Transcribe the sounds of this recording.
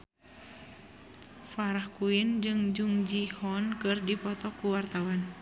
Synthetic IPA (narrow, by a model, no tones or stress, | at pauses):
faɾahkuind͡ʒɨŋd͡ʒuŋd͡ʒihɔnkɨrdipɔt̪ɔkuwart̪awan